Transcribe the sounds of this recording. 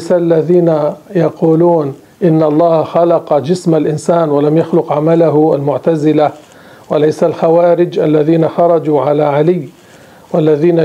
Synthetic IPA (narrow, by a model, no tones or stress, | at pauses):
salːaðiːnajɑquːluːn | ʔɪnːʔɑlˤːɑːhxɑlɑqɑd͡ʒɪsmalʔɪnsaːnwalamjaxlʊqʕamalaɦa̰lmʊʕt̪azɪla | walajsalxawaːɾɪd͡ʒʔalːaðiːnaxɑɾˤɑd͡ʒuːʕalaːʕalɪjː | walːaðiːna